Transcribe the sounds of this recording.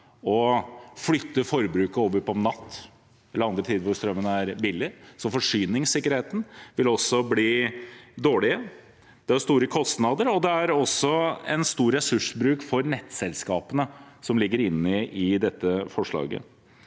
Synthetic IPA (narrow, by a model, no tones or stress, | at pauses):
ɔflʏt̪ːəfɔɾbɾʉːkəoːʋəɾpɔmnɑt̪ː | ɛləɾɑnd̪ɾət̪ʰiːd̪əʋʊɾst̪ɾœmːənəæɾbɪlːɪsɔfɔʂyːnɪŋsɪkːəɾheːt̪n̩ʋɪlɔsːɔbliːd̪oːɭɪə | d̪̥ɛæɾst̪uːɾəkʰɔst̪nɑːd̪əɾɔd̪ɛæɾɔsɔɛ̰nst̪uːɾɾɛsʉʂbɾʉːkfɔɾnɛt̪ːsɛlskɑːpənəsɔmlɪɡːəɾɪnːɪɪd̪ɛt̪ːəfɔʂɭɑ̰ːɡə̰